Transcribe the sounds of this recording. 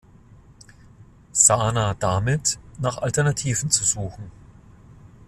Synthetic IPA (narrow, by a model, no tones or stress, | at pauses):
z̥aːnad̥amɪtnaːχʔaltɛɐnatʰiːvn̩t͡suzuːxn̩